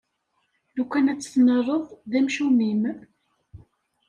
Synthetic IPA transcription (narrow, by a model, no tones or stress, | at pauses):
lukʷːænæt͡sːθnərˤːəðˤðæmʃumim